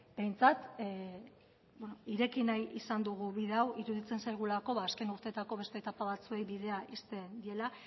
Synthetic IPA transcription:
b̥e̞jnt͡sat̪ | benoiɾe̞kinajisand̪uɣ̞uβiðe̞awiɾuðit͡se̞nsajɣ̞ulako̞βaːske̞nuɾt̪e̞t̪ako̞β̞e̞st̪eːt̪apaβat͡sue̞jβið̞e̞aʔist̪e̞nd̪ie̞la

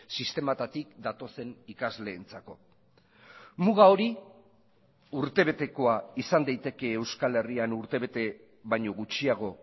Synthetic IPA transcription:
sist̪e̞mat̪at̪ikd̪at̪o̞se̞nikazle̞ːnt͡sako̞ | muɣao̞ɾi | uɾt̪e̞βe̞t̪e̞ko̞aisand̪ajt̪e̞ke̞ːwskale̞rianuɾt̪e̞βe̞t̪e̞ | βajɲo̞ɣut͡ʃiaɣ̞o̞

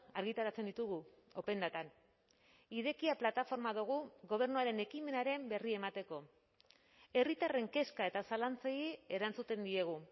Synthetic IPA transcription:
aɾɣit̪aɾat͡se̞nd̪it̪uɣu | ope̞nd̪at̪an | iðe̞kiaplat̪afo̞ɾmaðuɣ̞uɣo̞β̞e̞ɾnuaɾe̞ne̞kime̞naɾe̞mbe̞rie̞mat̪e̞ko̞ | e̞rit̪are̞ŋke̞skae̞t̪asalant͡seie̞ɾant͡sut̪e̞nd̪ie̞ɣ̞u

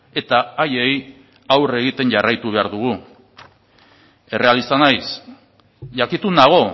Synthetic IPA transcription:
e̞t̪aaje̞j | awre̞ɣ̞it̪e̞nʝarajt̪uβ̞e̞aɾðuɣ̞u | e̞re̞alist̪anajs | ʝakit̪unaɣ̞o̞

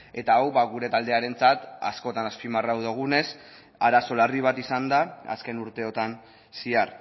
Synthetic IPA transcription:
e̞t̪aawβaɣuɾe̞t̪ald̪e̞aɾe̞nt͡sat̪a̰sko̞t̪anaspimarawðoɣ̞une̞s | aɾaso̞lariβ̞at̪isand̪aa̰ske̞nuɾt̪e̞o̞t̪an | siar

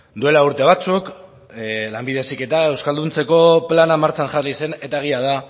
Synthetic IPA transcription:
d̪ue̞lauɾt̪e̞β̞at͡suk | lambiðe̞sike̞t̪ae̞wskald̪unt͡se̞ko̞planamaɾt͡sanʝarlise̞ne̞t̪aeɣ̞iað̞a

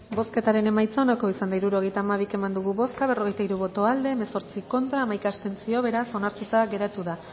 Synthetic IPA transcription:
bo̞ske̞t̪aɾe̞ne̞majt͡saonako̞isand̪aiɾuɾo̞ɣ̞e̞jt̪aːmaβ̞ike̞mand̪uɣuβo̞skaβ̞ero̞ɣejt̪aiɾuβo̞t̪o̞ald̪e̞ːme̞so̞ɾt͡siko̞nt̪ɾaːmajkast̪e̞nt͡sio̞β̞e̞ɾaso̞naɾt̪ut̪aɣe̞ɾat̪uða

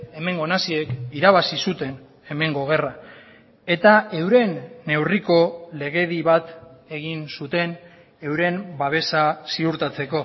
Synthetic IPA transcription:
e̞me̞ŋɡo̞nasie̞kiɾaβasisut̪e̞n | e̞me̞ŋɡo̞ɣ̞e̞ra | e̞t̪ae̞wɾe̞nːe̞wriko̞le̞ɣ̞e̞ðiβat̪e̞ɣ̞insut̪e̞n | e̞wɾe̞mbaβ̞e̞sasiuɾt̪at͡se̞ko̞

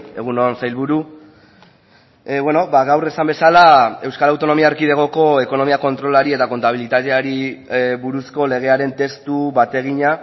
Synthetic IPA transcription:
e̞ɣ̞unonsajlβuɾu | βwe̞no̞baɣawre̞sambe̞salae̞wskaɾawt̪o̞no̞miaeɾkið̞eɣ̞o̞ko̞e̞ko̞no̞miako̞nt̪ɾo̞laɾie̞t̪ako̞nt̪aβilit̪at̪eaɾiβuɾusko̞le̞ɣ̞e̞aɾe̞nt̪e̞st̪uβat̪e̞ɣ̞iɲa

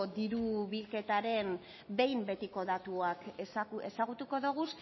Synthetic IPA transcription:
od̪iɾuβilke̞t̪aɾe̞m | be̞jmbe̞t̪iko̞ðat̪uakese̞saɣut̪uko̞ðuɣ̞us

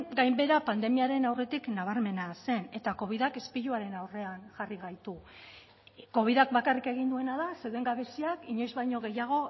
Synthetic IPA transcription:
ɡajmbe̞ɾapand̪e̞miaɾe̞nawre̞t̪iknaβ̞aɾme̞nase̞ne̞t̪ako̞β̞iðake̞spiʎuaɾe̞nawre̞anʝariɣ̞ajt̪u | ko̞β̞iðak̚bakarike̞ɣ̞ind̪ue̞naðaseðue̞ŋɡaβe̞siakiɲo̞jzβajɲo̞ɣe̞jaɣ̞o̞

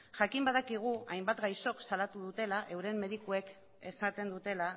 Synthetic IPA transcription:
ʝakimbað̞akiɣ̞uajmbat̪ɡajso̞ksalat̪uð̞ut̪e̞laʔe̞wɾe̞mːe̞ð̞ikue̞k | e̞sat̪e̞nd̪ut̪e̞la

